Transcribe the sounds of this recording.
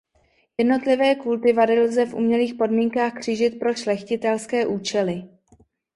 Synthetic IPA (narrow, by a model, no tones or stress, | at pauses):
jɛdno̞t̪lɪvɛːkult̪ɪvadɪlzɛfʔṵmɲɛliːxpo̞dmiːŋkaːxkr̝̥ɪʒɪt̪̚pɾo̞ʃlɛxcɪt̪ɛlskɛːʔuːt͡ʃɛlɪ